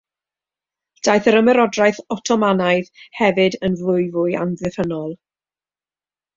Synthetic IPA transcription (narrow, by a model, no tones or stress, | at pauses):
d̥ajθəɾəmɛɾɔdrajθɔtʰɔmanaɨðhɛvɨdənvlʊɨvʊja̰nvɛθənɔlˠ